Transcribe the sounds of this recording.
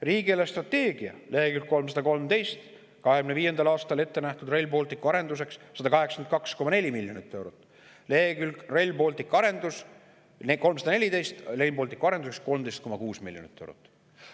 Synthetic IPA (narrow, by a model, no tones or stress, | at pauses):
riːɡielest̪rɑt̪ːe̞ːɡ̥iɑ̰leːɡylkkːo̞lms̬ɑd̪̥ɑko̞lmt̪e̞jst̪ | kɑheɡmneviːje̞nd̪ɑlɑːst̪ɑle̞t̪ːe̞næht̪ud̪̥rejlbo̞ːlʲt̪ikuɑɾe̞nd̪us̬e̞ksːɑd̪ɑkɑɦeksɑkenkɑksko̞mɑne̞lʲimiljo̞nit̪ːe̞wɾot̪ːˑ | leːɡylkrejlʲbo̞ːlt̪ikːɑɾe̞nd̪̥us | ko̞lmsɑd̪ɑne̞lʲid̪e̞jst̪lejlbolʲt̪ikːuɑɾe̞nd̪usesko̞lmd̪ejst̪ko̞mːɑkuːsmilʲjonḭt̪ːe̞wɾot̪ːˑ